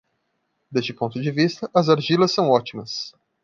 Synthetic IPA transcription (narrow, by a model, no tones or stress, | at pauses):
d̪est͡ʃɪpõnt̪ʊd͡ʒɪvist̪ɐʔɐzaɾʒilɐsːɐ̃w̃ɔt͡ʃimɐs